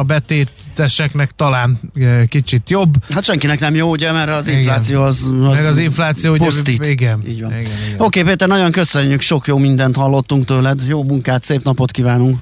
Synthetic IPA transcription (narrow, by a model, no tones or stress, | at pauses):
ɒbɛt̪eːt̪ɛʃɛknɛkt̪ɒlaːnkit͡ʃit̪jobːhɒt̪ʃɛŋkinɛknɛmjoːuɟɛmɛɾɒzinflaːt̪sijoːɒzmɛɾɒziɱflaːt̪sijoːpossiːiɡɛnḭːɟʋɒ̰no̞keːpeːt̪ɛrnɒɟo̞ŋkøsøɲːykʃo̞kjoːmind̪ɛnt̪hɒlːo̞t̪ːuŋkt̪øːlɛd̪joːmuŋkaːt̪seːpnɒpo̞t̪kivaːnuŋk